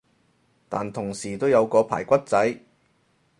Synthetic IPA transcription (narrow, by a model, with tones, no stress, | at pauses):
t̪a̰ː˨nt̪ʰʊ˨˩ŋsiː˨˩t̪o˥wjɐ˨˧wkɔː˧pʰa̰ː˨˩jkʷɐ˥t̚t͡sɐ˨˥j